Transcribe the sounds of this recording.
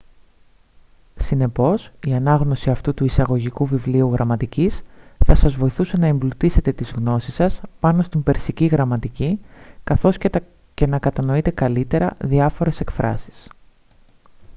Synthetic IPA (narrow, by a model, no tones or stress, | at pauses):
sine̞po̞siɐnɐɣno̞siɐft̪ut̪uisɐɣo̞ʝikuvivliuɣɾʔɐmɐt̪icisθɐsɐzvo̞iθuse̞nɐemblut̪ise̞t̪e̞t̪izɣno̞sisɐspɐno̞st̪imbe̞ɾsiciɣɾɐmɐt̪icikɐθo̞s | ce̞nɐkɐt̪ɐno̞it̪e̞kɐlit̪e̞ɾɐðiɐfo̞ɾe̞se̞kfɾɐ̰si̥s